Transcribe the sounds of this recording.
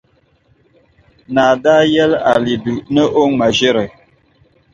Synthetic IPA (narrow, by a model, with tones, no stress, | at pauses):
na˨da˦jɛ˦la̰˨li˨bi˨nə˦ʔo˦ŋma˨ʒe˦ɾə˨